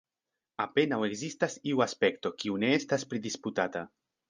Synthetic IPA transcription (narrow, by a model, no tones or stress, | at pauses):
apenaweɡzist̪asiuaspekt̪o̞kiuneest̪aspɾidisput̪at̪a